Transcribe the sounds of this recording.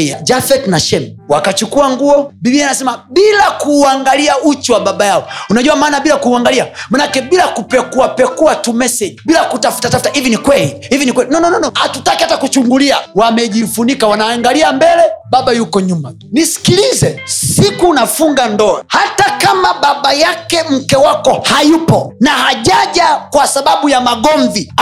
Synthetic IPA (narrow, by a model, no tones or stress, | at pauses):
ad͡ʒafɛtnaʃɛmwakat͡ʃukuaŋɡuɔbibianasɛmabilakuːaŋɡaliaut͡ʃuwaɓaɓajaɔunaʄuamaːnabilakuːaŋɡaliamanakɛbilakupɛkuapɛkuatumɛsɛd͡ʒibilakutafu̥tatafu̥tahivinikwɛlihivinikwɛlinɔnɔnɔnɔatutakihatakut͡ʃuŋɡuliawamɛʄifunikawanaːŋɡaliambɛlɛɓaɓajukɔɲuma | nisi̥kilizɛsikuːnafuŋɡandɔa̰hatakamaɓaɓajakɛm̩kɛwakɔhajupɔnahaʄaʄakwasaɓaɓujamaɡɔɱvi